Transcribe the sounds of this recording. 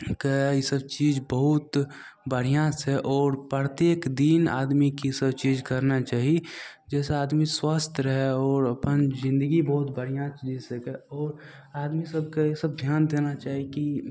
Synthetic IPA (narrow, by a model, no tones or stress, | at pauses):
kejesəbt͡ʃiːd͡ʒbəɦʊt̪ | bəɽ̤ijãːeʔɔːɾpɾət̪jeːkd̪iːna̰ːd̪mikisəbt͡ʃiːd͡ʒkɐɾnat͡ʃaːɦi | d͡ʒɛːseaːd̪miswaːst̪ʰɾəɦeɔːɾɐpənzɪ̃nd̪əɡibəɦʊt̪bəɽ̤ijãd͡ʒizsekeɔːɾ | aːd̪misəb̚kajesəb̚d̪ʱjaːnd̪eːnat͡ʃaːɦiki